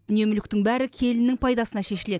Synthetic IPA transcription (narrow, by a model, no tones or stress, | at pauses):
ʏne̞mʏlɪkt̪ɪŋbæɾɪkʲʰe̞lɪnːɪŋpʰɑjd̪ɑsənɑʃe̞ʃɪle̞d̪ɪ